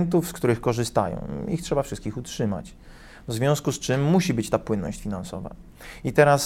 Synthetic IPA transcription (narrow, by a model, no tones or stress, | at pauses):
nt̪̬ufskt̪uɾɘxkɔʐɘst̪a̰jɔ̰̃w̃ixtʂɛbafʂɘst̪kʲixutʂɘma̰t͡ɕ | vzvʲjɔ̃w̃skust͡ʂɘmːuɕibɘt͡ɕt̪apwɘnːɔ̰ɕt͡ɕfʲinansɔ̰va̰ | it̪ɛɾas